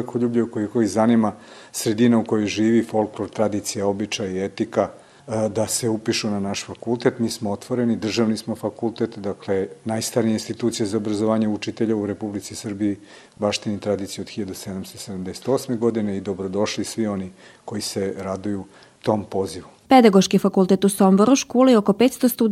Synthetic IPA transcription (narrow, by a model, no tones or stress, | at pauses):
kʰoʎuːbʎeukojixoizanimasɾe̞d̪inauko̞jojʒiːʋifo̞lˠkloɾt̪ɾad̪it̪sijao̞bit͡ʃajaiet̪ika | d̪ase̞upiʃunanaʃfakulˠt̪e̞t̪miːsmoot̪ʋo̞ɾenid̪r̩ʒaʋnismofakult̪et̪d̪akle̞najst̪aɾijeinst̪it̪uːt̪sijezaobɾazoʋaːɲeut͡ʃit̪eʎeuɾepublit̪sisr̩bii | baʃt̪init̪ɾad̪it̪sijeod̪xiʎad̪used̪amst̪osed̪amd̪ese̥t̪o̞ːsmeɡo̞d̪ineid̪o̞bɾod̪o̞ʃlisʋio̞ni | ko̞iseɾad̪uju | t̪o̞mpo̞ziʋu | ped̪aɡoʃkifakult̪et̪usomboɾuʃkuːliokopeːt̪st̪ost̪u